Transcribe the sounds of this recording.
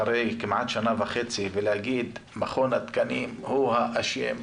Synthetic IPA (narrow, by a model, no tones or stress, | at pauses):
aɾejkimʕat̪ʃanavaxet͡sivelehaɡiːd̪maχonat̪kanimhuhaʔaʃḛm